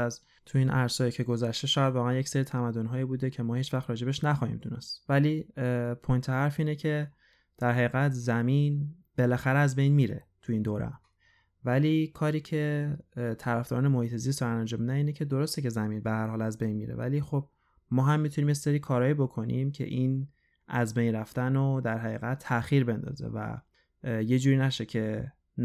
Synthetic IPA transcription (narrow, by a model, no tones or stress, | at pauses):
æz | t̪ʰuiːnʔæɾsɒːjikcʰe̞ɡo̞zæʃt̪e̞ʃɒːjæd̪vɒːɣæænjecseɾiːt̪ʰæmæd̪ːo̞nɦɒːiːbuːd̪ecʰe̞mɒːhiːt͡ʃvæxt̪ɾɒːd͡ʒe̞beʃnæxɒːhḭmd̪unḛst̪vælipʰojnt̪ʰehæɾfiːnecʰe̞ | d̪̥æɾɦæiɣæt̪ʰzæmin | b̥e̞læxæɾeæzbe̞jnmiːɾḛt̪ʰuiːnd̪oɾḛm | væliːkʰɒːɾiːcʰe̞t̪ʰæɾæfd̪ɔ̰ɾɔːnemohiːt̪ʰezis̬t̪ænænd͡ʒɒːmid̪æniːnecʰe̞d̪o̞ɾo̞st̪ece̞zæminbehæɾhɒːlæzbejnmḭːɾḛvæ̰lixob̥̚ | mɒːɦæmːit̪ʰuniːmjeseɾiːkʰɒːɾɒːjibo̞kʰo̞nḭmcʰḛʔiːn | ʔæzbe̞jnɾæft̪ænod̪æɾɦæɣiːɣæt̪ʰːæxiːɾbe̞nd̪ɒ̰ːzḛvæ̰ | je̞d͡ʒuːɾiːnæʃe̞cʰe̞